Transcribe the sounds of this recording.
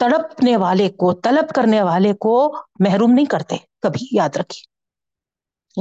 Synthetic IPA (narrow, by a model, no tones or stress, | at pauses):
t̪ɐɽəpneʋaːlekot̪ɐləbkɐɾneʋaːlekomɛɦɾuːmnɐɦĩkɐɾt̪ekɐbʱijaːd̪ɾɐkʰi̥ː